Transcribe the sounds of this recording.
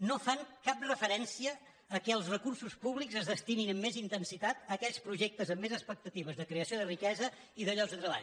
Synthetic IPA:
nofaŋkap̚rəfəɾɛnsiəː | kɛəlˠsrəkursuspuβlikzəzðəst̪ininəmːezint̪ənsit̪at̪əkɛʎspɾuʒek̚t̪əzəmːezəspək̚t̪ət̪iβəzðəkɾeəsioðərikɛzə | iðəʎɔɡzðət̪ɾəβa̰ʎ

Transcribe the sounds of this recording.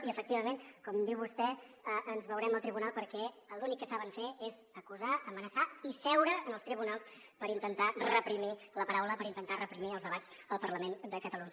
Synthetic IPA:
iəfək̚t̪iβəmenkɔmd̪iwβust̪ɛəənzβəwɾɛməlˠt̪ɾiβunalˠpəɾkɛəlunikːəsaβəɱfeezəkuzaəmənəsaisɛwɾəːnəlˠst̪ɾiβunalˠs | pəɾint̪ənt̪arəpɾimiləpəɾawləpəɾint̪ənt̪arəpɾimiəlˠzðəβad͡z | əlˠpərləmend̪əkət̪əluɲə

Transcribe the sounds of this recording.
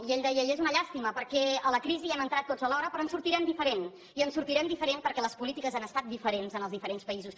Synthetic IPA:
ieʎd̪ɛjəʎezunəʎast̪iməpəɾkɛələkɾiziɛmənt̪ɾat̪ːod͡zəlɔɾəpɾɔənsuɾt̪iɾɛmd̪ifəɾen | iənsuɾt̪iɾɛmd̪ifəɾenpəɾkɛləspulit̪ikəzanəst̪at̪̚d̪ifəɾenzənəlzðifəɾenspəizus

